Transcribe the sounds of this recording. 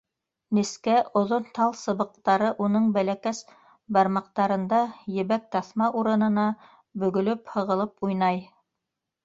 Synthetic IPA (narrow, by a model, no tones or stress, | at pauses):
niskæʔŏðont̪ɑlˠsɤ̆βɤ̆q̚t̪ɑɾɤʔunɤɴbælækæs | bɑɾmɑq̚t̪ɑɾɤ̆nd̪ɑjɘ̆βæk̚t̪ɑθmɑʔuɾɤ̆nɤ̆nɑ | bɵ̆ɡɵ̆lɵphɤ̆ʁɤ̆lˠɤpujnɑj